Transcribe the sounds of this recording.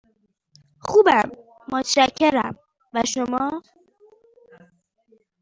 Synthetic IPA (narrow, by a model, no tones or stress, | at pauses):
xuːbæmː | ot̪ʰʃæcʰːeɾæm | væʃomɒː